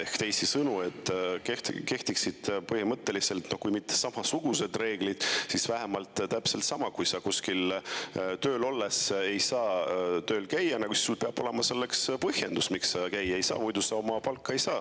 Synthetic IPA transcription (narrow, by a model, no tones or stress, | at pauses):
ehkt̪e̞jsisɤnue̞t̪ːˑket̪ke̞ht̪iksid̪̥pɤhimɤt̪ːe̞lise̞lt̪no̞kujmit̪ˑːe̥sɑmɑsuɡ̥use̞d̪re̞ːɡ̥lid̪̥sisvæɦemɑlt̪ˑt̪æpselt̪sɑmɑkujsɑkuskil | t̪ø̞ːlo̞lːese̞jsɑːt̪ø̞ːlkæjːɑnɑɡusi̥sulpe̞ɑb̥o̞le̞mɑse̞lːe̞kspɤhje̞nd̪usmiksɑkæjːe̞jsɑ̰ːmujd̪̥usɑo̞mɑpɑlkːˑɑe̞jsɑː